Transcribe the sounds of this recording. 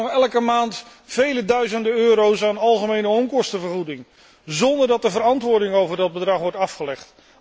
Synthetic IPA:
ɔχɛlˠəkəmaːnt | fejlədœɥzəndəøːɾowsaːnɑlˠχəmejnəɔmkɔstəvəɹχudɪŋ | zɔndəɹdɑt̚dəvəɾɑntʋʊːɹdɪŋowvəɹdɑd̚bədrɑχʋɔɹtɑfχəlɛχt

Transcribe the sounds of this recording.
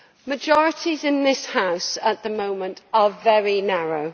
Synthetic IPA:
məd͡ʒɒɹɪtʰizɪ̃nðɪshaʊsəʔðəmõʊ̃mə̃ntəvɛɹinaɹoʊ

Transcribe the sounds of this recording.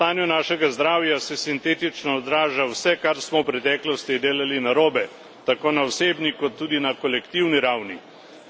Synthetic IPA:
t̪aːnjunaːʃɛɡazd̪ɾaːwjasɛsint̪eːt̪it͡ʃnɔːd̪ɾaːʒawsɛkaɾsmɔwpɾɛt̪ɛːklɔst̪id̪eːlalinaɾoːbɛ | t̪akoːnaɔseːbnikɔt̪ːuːd̪inakɔlɛkt̪iwniɾawni

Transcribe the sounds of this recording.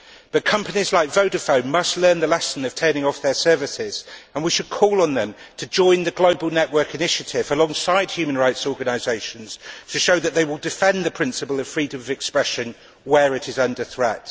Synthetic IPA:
b̥ʌt̚kʰʌ̃mpənizlaɪkvəʊdəfə̃ʊ̃nmʌstˡlɜ̃ːnðəlɛsə̃n̩əv̥tʰɜːnɪ̃ŋɒfðəsɜːvɪsɪz̥ə̃nwiʃəd̚kʰɔːlə̃nðə̃m | tʰəd͡ʒɔ̃ɪ̃nðəɡləʊbəlˠnɛʔwɜˑ˞kɪnɪʃətʰɪvəlɒ̃ŋsaɪd̥̚hjʉːmə̃nɹaɪtsɔːɡənaɪzeɪʃə̃nz̥tʰəʃoʊðəʔ̪̚ðeɪwɪlˠdɪfɛ̃nðəpʰɹ̥ɪ̃nsɪpəlˠəv̥fɹiːdə̃mʌvɛkspɹɛʃə̃n | wəɹɪɾɪzʌ̃ndəθɹɛt

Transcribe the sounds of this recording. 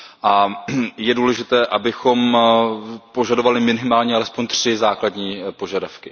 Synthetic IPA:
ʔajɛduːlɛʒɪt̪ɛːʔabɪxo̞m | po̞ʒadovalɪmɪnɪmaːlɲɛalɛspoɲt̪r̥ɪzaːkladɲiːpo̞ʒadafkɪ

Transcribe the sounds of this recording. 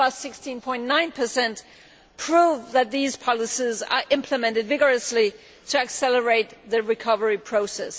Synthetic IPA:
ʌsɪkstĩnpʰɔ̃ɪ̃nnãɪ̃npʰə˞sɛ̃nt | pʰɹ̥uvðɨt̪̚ðiz̥pʰɑlˠəsizə̰˞ʔɪ̃mpʰləmɛ̃ntɨdvɪɡə˞ɨsli | tʰɨɨksɛlˠə˞eɪt̪̚ðɨɹɨkʰʌvə˞ipʰɹ̥oʊsɛs

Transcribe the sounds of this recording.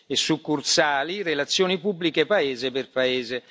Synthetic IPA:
esːukːursaːlirelat̪sːjoːnipubːlikepaeːzeperpaeːze

